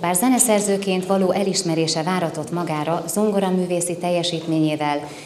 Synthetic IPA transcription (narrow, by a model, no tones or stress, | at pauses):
baːrzɛnɛsɛrzøːkeːnt̪ʋɒloːʔɛliʃmɛɾeːʃɛvaːɾɒt̪o̞t̪mɒɡaːɾɒzo̞ŋɡoɾɒmyːveːsit̪ɛjːɛʃiːt̪meːɲeːvɛl